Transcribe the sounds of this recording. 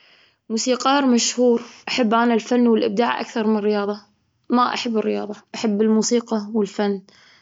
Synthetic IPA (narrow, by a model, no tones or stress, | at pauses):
muːsiːqɑːɾmaʃhuːɾʔaħabːʔanalfanːwɪlʔɪb̚d̪aːʕʔa̰kθɑɾˤmɪnrːɪjɑːðˤɑ | maʔa̰ħabːɪrːɪjɑ̰ːðˤɑʔaħabːɪlmuːsiːqɑwɪlfanː